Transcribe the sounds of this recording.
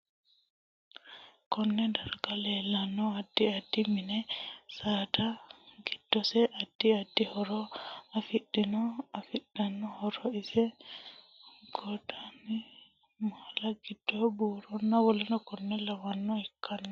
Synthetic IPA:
kɔnːɛdaɾkalɛlanɔadiadiminɛsadaɡitːɔsɛʔadiadihɔɾɔafʰit̚dinɔafʰit̚danɔhɔɾɔisɛ | ɡɔdani | mɔhalaɡitːɔbuɾɔnːabɔlɛnɔkɔnːɛlawanːɔikʰːan

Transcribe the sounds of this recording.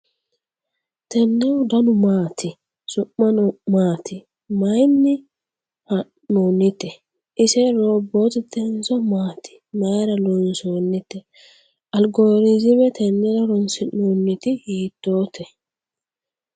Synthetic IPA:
t̪ɛnːɛwʊd̪ɐnʊmaːt̪ɪ | sʊʔːɐnmaːt̪ɪ | mɐjnːɪ | hɐ | nuːnːɪt̪ːɛ | ʔɪsɛɾoːbːoːt̪ɪt̪ɛnsɔmaːt̪ɪ̥ | nɐjɾɐlɔnsoːnːɪt̪ːɛ | ɐlɡoːɾɪzɪβɛt̪ɛnːɛɾɐɾɔnsɪnunːɪt̪ɪhiːt̪ːoːt̪ʰɛ

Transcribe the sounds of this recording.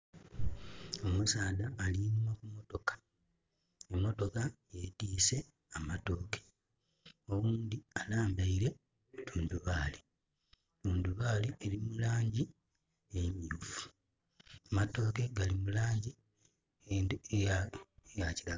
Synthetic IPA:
o̞musaːdaːlinmwakumo̞to̞kḁ | emːo̞to̞kajetiːse̞ | amato̞ːke̞̥ | o̞wuːnd̪ialaːmbaiɾe̞ | kutʰuːnduβaːli | tuːnduβaːliʔeɾimulaːɲɟi | emijufu̥ | amato̞ːke̞ɡalimulaːɲɟi | jacila

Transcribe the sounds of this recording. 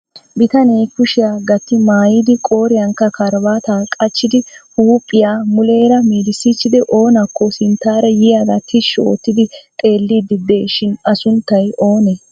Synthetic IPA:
bɪt̪ɐnejkʊʃɪjaːɡɐt̪ːɪmaːjɪd̪ɪkʼoːɾɪjɐŋkːɐkʰɐɾbaːt̪aːkʼɐt͡ʃːɪd̪ɪhuːpʼːɪjaːmʊleːɾɐmiːd̪ɪsɪt͡ʃːɪd̪ɛʔo̞ːnɐkːɔsɪnt̪ːaːɾɛjɪjaːd̪ɐkɪʃːo̰ːt̪ːɪd̪ɪt̪ʼe̞ːlːiːd̪ɪd̪eːʃɪnɐsʊnt̪ːɐjo̞ːne

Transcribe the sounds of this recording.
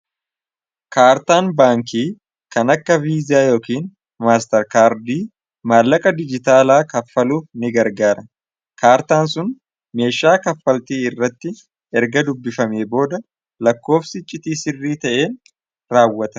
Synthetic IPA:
kaːɾt̪aːnbaːŋkiː | kɐnɐkːɐviːzɪaːjo̞ːkiːn | maːst̪ɛɾkaːɾd̪iː | maːlːɐkʼɐd̪ɪd͡ʒɪt̪aːlaːkɐfːɐluːfnɪɡɐɾɡaːɾɐ | kʰaːɾt̪aːnsʊn | me̞ːʃaːkɐfːɐlt̪iːɪrːɐt̪ːɪ | ɛɾɡɐd̪ʊbːɪfɐme̞ːbo̞ːd̪ɐ | lɐkːo̞ːfsɪt͡ʃʼːɪt̪iːsɪrːiːt̪ɐʔe̞ːn | ɾaːwːɐt̪ɐ

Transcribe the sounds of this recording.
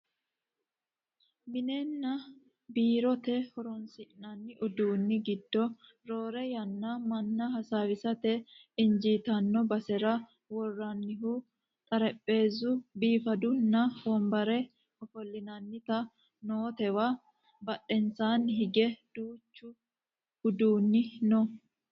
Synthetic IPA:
mɪnɛnːɐ | biːɾɔt̪ɛhɔɾɔnsɪʔnɐnːɪʔʊd̪uːnːɪɡɪd̪ːɔ | ɾo̞ːɾɛjɐnːɐmɐnːɐɦɐsaːwɪsɐt̪ɛɪnd͡ʒiːt̪ɐnːɔbɐsɛɾɐ | wɔrːɐnːɪɦʊ | t̪ʼɐɾɛpʼːe̞ːzʊbiːfɐd̪ʊnːɐwɔmbɐɾɛ | ʔɔfɔlːɪnɐnːɪt̪ɐ | noːt̪ɛwɐ | bɐɗːɛnsaːnhɪɡɛd̪̥uːt͡ʃːʊ | ʊd̪uːnːɪnɔ

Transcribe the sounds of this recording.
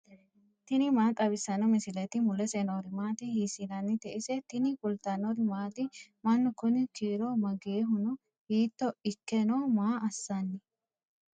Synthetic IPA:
t̪ɪnɪmaːkʼɐbɪsːɐnɔmɪsɪlɛt̪ɪmʊlɛsɛnoːɾɪmaːt̪ɪhisɪlɐnːɪt̪ɛʔɪsɛt̪ɪnɪkʊlt̪anɔɾɪmaːt̪ɪmɐnːʊkʊnɪkiːɾomɐɡeːɦʊnʊ | hiːt̪ːɔɪkːɛnoːmaːʔɐsːanːɪ

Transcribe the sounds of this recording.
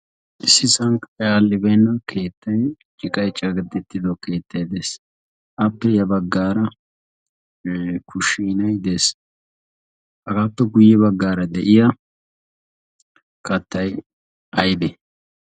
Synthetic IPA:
ʔɪsːɪsɐŋkʼɐaːlːɪbenːɐkʰe̞ːt̪ːɐj | t͡ʃʼɪkʼɐjt͡ʃʼɐɡɛt̪ːɛt̪ːɪd̪ɔke̞ːt̪ːɐjd̪e̞ːs | ʔɐpːɛjɐbɐɡːaːɾɐ | kʰʊʃiːnɐjd̪e̞ːs | hɐɡap̪ːɛɡʊjːɛbɐɡːaːɾɐd̪ɛʔɪjɐ | kɐt̪ʰːɐj | ɐjd̪ɛ

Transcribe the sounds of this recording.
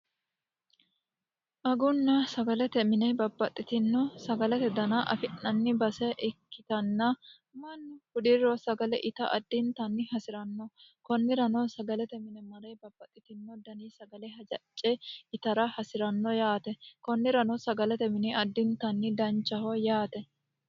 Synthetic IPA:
ʔɐɡʊnːɐsɐɡɐlɛt̪ɛmɪnɛbɐbːɐt̪ʼːɪt̪ɪnːɔsɐɡɐlɛt̪ɛd̪ɐnɐʔɐ̰fɪnːɐnːɪbɐsɛʔɪkːɪt̪ɐnːɐ | mɐnːʊhʊd̪ɪɾɔsɐɡɐlɛʔɪt̪ɐʔɐd̪ːɪnt̪ɐnːɪhɐsɪɾɐnːɔkɔnːɪɾɐnɔsɐɡɐlɛt̪ɛmɪnɛmɐɾɛbɐbːɐt̪ʼːɪt̪ɪnːɔd̪ɐniːsɐɡɐlɛɦɐd͡ʒɐt͡ʃʼːɛɪt̪ɐɾɐhɐsɪɾɐnːɔjaːt̪ɛkɔnːɪɾɐnɔsɐɡɐlɛt̪ɛmɪnɛɐd̪ːɪnt̪ɐnːɪd̪ɐnt͡ʃːɐhɔjaːt̪ɛ

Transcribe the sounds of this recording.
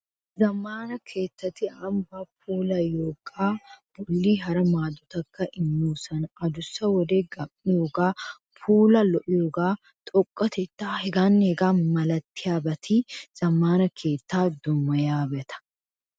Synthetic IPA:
zɐmːaːnɐkʰe̞ːt̪ːɐt̪ːɪɐmbaːpuːlɐjoːkʼaːb̥ʊlːiːɦɐɾɐmaːd̪ʊt̪ɐkːɐʔɪnːuːsɐnɐʔɐd̪ʊsːɐwɔd̪eːɡɐmːɪjoːɡaː | pʰuːlɐlɔʔɪjoɡaː | t̪ʼɔkʼːɐt̪ɛt̪ːaːhɛɡaːnːɛɛɡaːmɐlɐt̪ːɪjaːbɐt̪ʰiːz̥ɐmːaːnɐkʰe̞ːt̪ːaːd̪ʊmːɐjaːbɛt̪ʰɐ̥

